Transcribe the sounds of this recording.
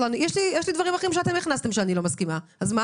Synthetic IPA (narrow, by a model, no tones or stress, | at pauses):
lanjeʃlijɛʃlid̪vaʁimaχimʃ̬eat̪e̞miχnast̪emʃeanilo̞maskimaazma